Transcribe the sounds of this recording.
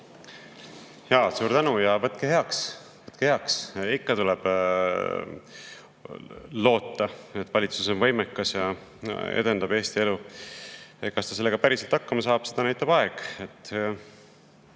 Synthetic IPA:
jɑsuːɾt̪ænujɑvɤt̪ˑkehe̞ɑks | vɤt̪keheɑksikːɑt̪ulɛb̥ | lo̞ːt̪ːɑe̞t̪ːˑvɑlʲit̪suso̞nvɤ̞jmekːɑsjɑḛd̪̥e̞nd̪ɑbe̞ːst̪ie̞lu | ekːɑst̪ɑselːeɡ̥ɑpæɾise̞lt̪ɑkːɑmɑsɑːb̥se̞d̪ɑnæjt̪ːˑɑb̥ɑeɡ̥e̞t̪ː

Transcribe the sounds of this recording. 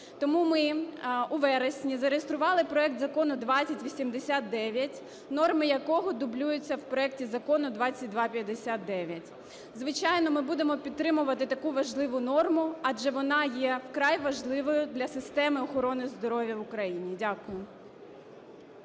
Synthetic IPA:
t̪ɔmumɪuʋɛɾesʲnʲizɐɾejest̪ɾʊʋɑlˠɪpɾɔɛk̚t̪zɐkɔnʊd̪ʋɑt͡sʲsʲɐtʲʋʲisʲimd̪esʲat̪̚d̪ɛʋʲjɐtʲ | nɔrmɪjɐkɔɦɔd̪ʊblʲujʊt͡sʲːɐwpɾɔɛk̚tʲizɐkɔnʊd̪ʋɑt͡sʲɐt̚ʲd̪ʋɑpʲjɐd̪esʲat̪̚d̪ɛʋʲjɐtʲ | zʋɪt͡ʃajnɔmɪbud̪emɔpʲit̪ːɾɪmʊʋɐt̪ɪt̪ɐkuʋɐʒlˠɪʋʊnɔrmʊɐd͡ʒɛʋɔnɑjɛwkɾɑjʋɐʒlˠɪʋɔjʊd̪lʲɐsɪst̪ɛmɪɔxɔɾɔnɪzd̪ɔɾɔʋʲjɐwʊkɾɐjinʲidʲakʊjʊ

